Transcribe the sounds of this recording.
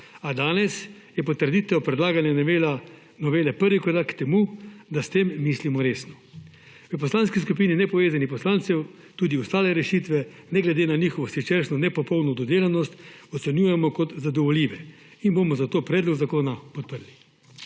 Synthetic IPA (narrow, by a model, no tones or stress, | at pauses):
ad̪aːnɛsjɛpɔt̪əɾd̪it̪ɛwpɾɛd̪laːɡanja | nɔʋeːlɛpəɾʋikɔd̪akt̪ɛmud̪ast̪emːislimɔɾeːsnɔ | ʋəp̬ɔslaːnskiskupiːninɛpɔʋeːzanipɔslaːnt̪sɛw | t̪uːd̪iɔst̪aːlɛɾɛʃit̪ʋɛ | nɛɡlɛd̪enanixɔʋɔsit͡ʃeɾʃnɔnɛpɔpɔwnɔd̪ɔd̪eːlanɔst̪ɔt̪sɛnjuːjɛmɔkɔt̪zad̪ɔʋɔlʲjiːʋɛ | inbomɔzat̪oːpɾɛːd̪lɔɡzakoːnapɔt̪̚pəɾli